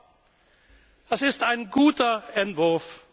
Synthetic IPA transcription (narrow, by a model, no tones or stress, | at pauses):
ɛsɪstaɪnɡuːtɐɛntv̥ʊɐf